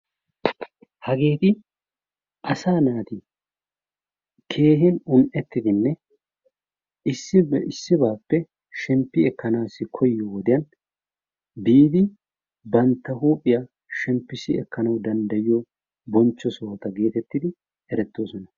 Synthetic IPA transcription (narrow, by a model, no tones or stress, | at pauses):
hɐɡe̞ːt̪ɪ | ʔɐsaːnaːt̪ɪ | kʰe̞ːɦɪnʊnʔɛt̪ːɪd̪ɪnːɛ | ɪsːɪɪsːɪbaːpːɛ | ʃɛmpːɪɛkːɐnaːsːɪkʰɔjːowɔd̪ɪjɐn | biːd̪ɪ | bɐnt̪ːɐɦuːpʼɪja | ʃɛmpːɪsɪɛkːɐnɐwd̪ɐnd̪ɐjɪjɔ | bɔnt͡ʃːɔsoːt̪ɐɡe̞ːt̪ɛt̪ːɪd̪ɪ | hɛɾɛt̪ːo̞ːsɔnɐ